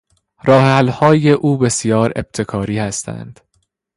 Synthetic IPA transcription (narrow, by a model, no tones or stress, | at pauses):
ɾɒːheælhɒːje̞ʔuːbe̞sijɒːɾe̞̰b̥̚t̪ʰe̞kʰɒːɾiːhæst̪ʰæ̰nd̪̥